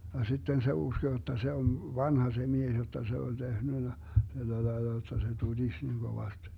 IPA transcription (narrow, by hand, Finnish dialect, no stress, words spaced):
jɑ sitːen se usko jotːɑ se on ʋɑnhɑ se mies jotːɑ se olʲ tehnynæ tælːælɑelːɑ jotːɑ se tud̥is niŋ ɡ̊oʋɑst